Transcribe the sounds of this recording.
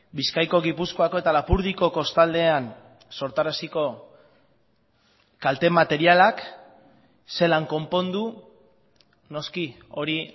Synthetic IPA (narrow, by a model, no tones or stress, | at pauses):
biskajko̞ɣipusko̞ako̞e̞t̪alapuɾð̞iko̞ko̞st̪ald̪e̞an | so̞ɾt̪aɾasiko̞ | kalt̪e̞mat̪e̞ɾialak | se̞laŋko̞mpo̞nd̪u | no̞ski | o̞ɾi